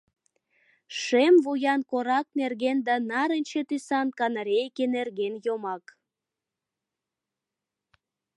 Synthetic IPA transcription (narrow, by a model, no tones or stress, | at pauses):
ʃemvujɑnkoɾɑk̚nerɣend̪ɑnɑɾənʲt͡ɕet̪ysɑnkɑnəɾʲejkenerɣenjomɑk